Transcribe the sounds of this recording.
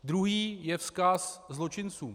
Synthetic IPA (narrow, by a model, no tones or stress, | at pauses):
d̪ɾuɦiːjɛfskaszlo̞t͡ʃɪnt͡suː